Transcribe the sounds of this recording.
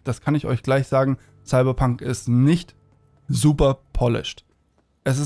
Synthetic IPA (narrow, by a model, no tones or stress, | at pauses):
d̥askʰanɪçɔ̰ʏçɡ̥laɪçz̥aːɡŋ̩ | saɪbɐpʰaŋkɪstnɪçt | zuːpɐpʰɔlɪ̰ʃt | ʔɛsɪs